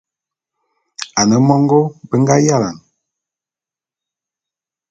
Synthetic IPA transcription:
a˨nə˨mɔ˦ŋɡo˦bə˦ŋ˦ɡa˦ja˦˨la˨n

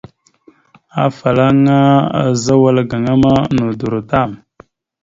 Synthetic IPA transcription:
a˨fa˨la˦ŋa˦a̰˨za˦wa˦lɡa˨ŋa˦ma˦nu˨du˨ɾu˨ta˦˨m

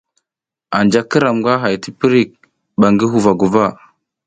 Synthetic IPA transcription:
a˨nd͡ʒa˦kə˦ɾa˨mɡʷa˦ɦa˨jti˦pi˦ɾi˦k̚ | ɓa˨ŋɡi˦ɦu˨va˨ɡu˨va˦

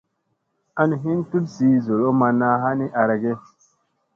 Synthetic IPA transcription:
a˦ni˨ɦi˦ntu˦tzi˨˦zo˨lo˦ma˧na˦ɦa˦ni˦ʔa˨ɾa˨ɡe˦

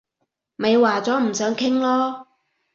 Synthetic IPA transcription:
me˨˧jwaː˨˩t͡sɔː˨˥m̩˨˩sœː˨˥ŋkʰɪ˥ŋlɔː˥

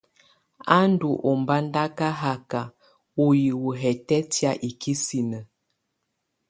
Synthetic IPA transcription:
a˦n˦du˨ʔɔ˨mba˦n˦da˦ka˦ɦa˦ka˨ | o˨ji˨wu˨ɦɛ˨tɛ˦tja˦ʔi˨kʰi˦si˨nə˨

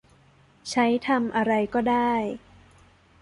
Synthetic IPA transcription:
t͡ɕʰa˦˥jt̪ʰa˧mʔa˧ɾa˧jkɔː˥˩daː˥˩j

